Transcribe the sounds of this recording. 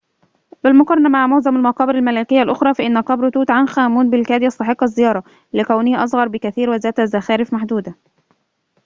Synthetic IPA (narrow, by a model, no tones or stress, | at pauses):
bɪlmʊqɑɾˤːɑnɑmaʕmʊzæmalmɑqɑːbɪɾælmælæːkɪjːalʔoxɾˤɑːfæʔɪnːæqɑbɾt̪uːt̪ʕanxæːmuːnbɪlkæːd̪jɑsˤt̪ɑħeqːɑzːɪjɑːɾˤɑ | lɪkæwnɪhʔɑsˤɣɑɾˤbɪkæθiːɾwɪzæːt̪hæzæxæːɾɪfmaħd̪uːd̪æ